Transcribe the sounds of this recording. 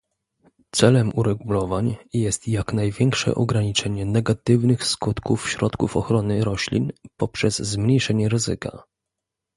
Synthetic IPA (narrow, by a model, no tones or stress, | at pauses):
t̪sɛlɛmuɾɛɡulɔvaɲjɛst̪jaknajvʲjɛŋkʂɛ̰ʔɔɡɾaɲit͡ʂɛɲɛnɛɡat̪ɘvnɘxskut̪kufɕɾɔt̪kufɔxɾɔnɘɾɔɕlʲḭnpɔpʂɛzzmɲejʂɛɲɛɾɘzɘka̰